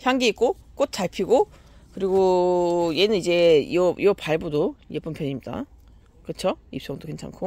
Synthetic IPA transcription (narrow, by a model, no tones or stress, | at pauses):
çjaŋɡiik̚k͈o | k͈ot̚t͡ɕ͈aɭpʰiɡo | kɯɾiɡoje̞nɯnid͡ʑe̞ḭʌʔiʌpaɭbudojep͈umpʰjʌɲimɲida̰ | kɯt͡ɕʰoip̚s͈ʌŋdokwe̞ŋt͡ɕʰa̰ŋkʰo